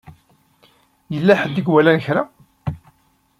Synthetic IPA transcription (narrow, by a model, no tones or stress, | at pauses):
jəlːæħəd̪ːəɡwælænəçɾa